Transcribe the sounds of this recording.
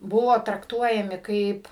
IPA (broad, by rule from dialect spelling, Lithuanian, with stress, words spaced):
ˈbʊʋoː trɐkˈtuɔjɛmʲɪ ˈkɐɪp